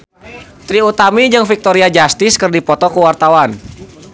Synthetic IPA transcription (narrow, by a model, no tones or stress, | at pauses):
t̪ɾiut̪amid͡ʒɨŋfik̚t̪ɔɾiad͡ʒast̪ɪskərdipɔt̪ɔkuwart̪awan